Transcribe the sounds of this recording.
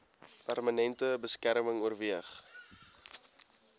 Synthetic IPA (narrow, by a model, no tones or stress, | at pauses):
pærmənɛntəbəskærməŋuərviəχ